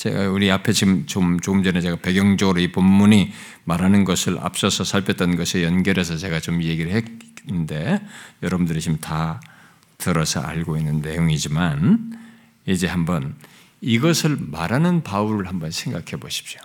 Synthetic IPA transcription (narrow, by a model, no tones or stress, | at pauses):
t͡ɕḛɡa̰uɾiapʰe̞t͡ɕimt͡ɕomt͡ɕoɡɯmd͡ʑʌnet͡ɕeɡape̞ɡjʌŋd͡ʑʌɡɯɾoipomːuɲi | maɾanɯnɡʌsʰɯɭʔa̰p̚s͈ʌsʰʌsʰaɭpʰjʌt͈ʌnɡʌsʰejʌnɡjʌɾe̞s̬ʰʌt͡ɕe̞ɡat͡ɕomije̞ɡiɾɯɭhende̞jʌɾʌbɯndɯɾit͡ɕimta | tɯɾʌsʰʌ̰ʔa̰ɭɡoinːɯnːe̞joŋid͡ʑiman | id͡ʑe̞hambʌn | iɡʌsʰɯɭmaɾanɯnpauɾɯɭhambʌnsʰe̞ŋɡakʰe̞boɕʰi̥p̚ɕo̥